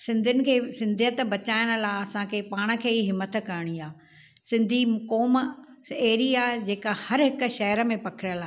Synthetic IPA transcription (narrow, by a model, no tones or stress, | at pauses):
sɪ̃nd̪ʱənɪ̆kʰeːsɪ̃nd̪ʱiət̪bɐt͡ɕaːɪɽ̃ə̆laːɐsãkʰeːpaːɽ̃ə̆kʰeːiɦɪmːət̪̆kɐɾɽ̃iaː | sɪ̃nd̪ʱikoːm | eːɾiaːd͡ʑeːkahɐɾɦɪk̆ʃɐɦəɾə̆mẽpɐkʰɪɽ̃əlaː